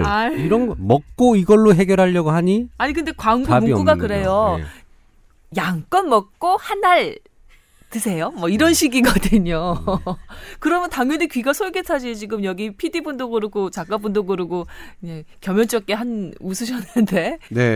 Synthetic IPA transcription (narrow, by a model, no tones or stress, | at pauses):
aiɾʌnɡʌmʌk̚k͈oiɡʌɭːoɦe̞ɡjʌɾɦaʎːʌɡoɦaɲiaɲikɯnde̞kwaŋɡuɡuɡakɯɾe̞jo̰ | jaŋk͈ʌnmʌk̚k͈ohanːaɭ | tɯsʰe̞jomwʌiɾʌnɕʰiɡiɡʌdɯɲo | kɯɾʌmjʌntaŋjʌnikɥiɡasʰoɭɡetʰad͡ʑit͡ɕiɡɯmjʌɡipʰidibundoɡɯɾɯɡot͡ɕak͈abundoɡɯɾɯɡoe | kjʌmjʌnt͡ɕ͈ʌk̚k͈eɦanusʰuɕʰʌnɯndene̞